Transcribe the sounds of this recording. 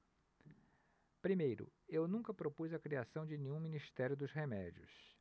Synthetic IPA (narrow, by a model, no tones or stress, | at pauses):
pɾimejɾʊ̰ewnũŋkɐpɾopuzɐkɾiasɐ̃w̃d͡ʒɪnẽɲũminist̪ɛɾjʊd̪ʊzhemɛd͡ʒiʊ̰s